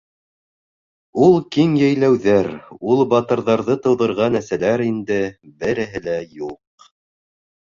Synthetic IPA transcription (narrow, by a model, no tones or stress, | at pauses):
ulˠkiŋjæjlæwðæɾulˠbɑt̪ɤ̆ɾðɑɾðɤt̪ɤ̆wðɤ̆ɾʁɑnæɾsælæɾind̪ɘbɘ̆ɾɘ̆ɦɘlæjuq̚